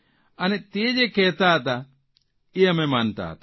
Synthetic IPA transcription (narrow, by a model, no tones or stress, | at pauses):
ʔɐnɛt̪iːd͡ʒɛkeːt̪ːaːt̪ɐ | ɪjɐmɛmɐnt̪a̰ːt̪ɐ̥